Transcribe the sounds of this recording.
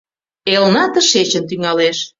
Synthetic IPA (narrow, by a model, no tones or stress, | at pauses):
elnɑt̪ə̆ʃet͡ɕə̆nt̪yŋɑleʃ